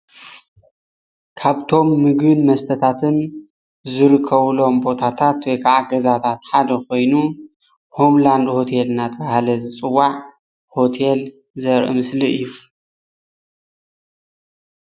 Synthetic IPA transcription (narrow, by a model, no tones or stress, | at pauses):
kʰaβt̪ʰo̞mːɨɡbɨnmɐst̪ʰɐt̪ʰat̪ʰɨn | zɨɾɨkʰːɐβlo̞mbo̞t̪ʰat̪ʰat̪wjkʰaʕaɡɐzat̪ʰat̪ħad̪ɐko̞jnu | ho̞mland̪ho̞t̪ʰelɨnːat̪ʰbahalɐzɨt͡sʼɨwːaʕ | ho̞t̪ʰel | zɐɾʔɨ̰mɨsliɨjːu